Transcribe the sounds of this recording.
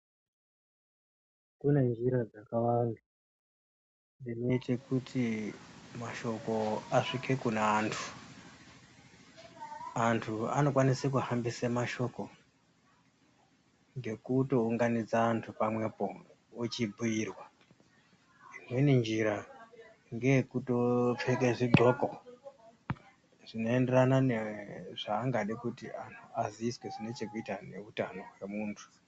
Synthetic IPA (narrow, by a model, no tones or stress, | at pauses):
kune̞nd͡ʒiɾad͡zakawaŋɡa | ndinoitekutʰi | maʃo̞ko̞aʂike̞kuneːntʰu̥ | antʰua̰no̞kwanisek̬uhambisemaʃo̞ko̞ | ŋɡe̞kuto̞uŋɡanid͡zaːntʰupamwe̞po̞ | ot͡ʃibʱujiːrwa | inwenind͡ʒiɾa | ŋɡe̞kutop͡fek̬eʐiɡ͡ǃʱoko | ʐ̥ino̞ende̞rananeʐ̥aːŋɡaɗikutianʰuaziiswe̞ʐine̞t͡ʃe̞kuitane̞̰utano̞we̞muːntʰu̥